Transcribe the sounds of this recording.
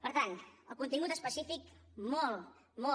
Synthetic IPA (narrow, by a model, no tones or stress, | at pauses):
pəɾt̪anəlˠkunt̪iŋɡut̪əspəsifikmɔlˠ | mɔ